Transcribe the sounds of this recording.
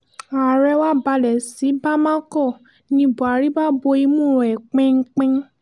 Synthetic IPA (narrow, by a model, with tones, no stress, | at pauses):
a˨ɾɛ˧˦wa˦ba˧lɛ˨si˨˦ba˦mã˦kɔ˦˨ | nĩ˧bo˨a˨ɾi˦ba˦bo˧i˧˦mũ˦˨ɛ˨k͡pɛ̃˦ŋ̩˦k͡pɛ̃˦